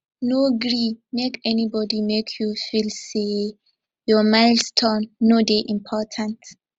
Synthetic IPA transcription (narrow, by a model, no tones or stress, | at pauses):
noɡɹimekɛnibɔdimekʰjufilse | jɔmaɪldstʰɔ̃nːodeʔĩmpʰɔtʰãnt